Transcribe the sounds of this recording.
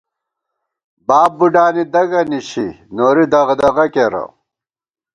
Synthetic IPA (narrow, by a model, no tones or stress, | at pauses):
baːbːuɖaːnid̪ɐɡɐniɕḭ | noːɾid̪ɐɣd̪ɐɣɐkeɾɐ̰